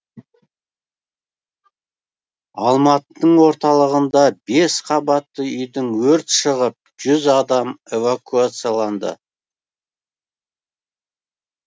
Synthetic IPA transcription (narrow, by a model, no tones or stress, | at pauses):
ɑlˠmɑt̪əəɴwo̞ɾt̪ɑlˠəʁənd̪ɑbesqʰɑbɑt̪ːəʏjd̪ɪŋwɵɾt̪ʃəʁəp̚ʒ̥ʏzɑd̪ɑme̞vakuat̪sɨjalˠɑnd̪ə̰